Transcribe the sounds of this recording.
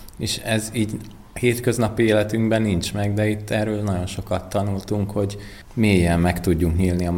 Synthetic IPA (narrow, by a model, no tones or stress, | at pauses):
eːʃɛziːɟ | heːt̪kø̞znɒpieːlɛt̪yŋɡbɛnːint͡ʃmɛɡd̪ɛit̪ʰːɛːrøːlnɒɟo̞nʃo̞kɒt̪ːɒnult̪uŋkho̞ɟ | meːjːɛlmɛkt̪uɟːuŋkɲiːlniɒm